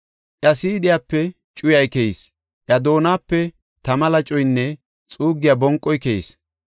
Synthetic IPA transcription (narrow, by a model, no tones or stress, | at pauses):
ʔɐsiːd̪ɪjaːpːɛ | t͡ʃʼʊjɐjkɛjis | ʔɐd̪o̞ːnaːpːɛ | t̪ɐmɐlɐt͡ʃʼɔjnːɛ | t͡sʼuːɡːɪjaːbɔŋkʼːɔjkɛjis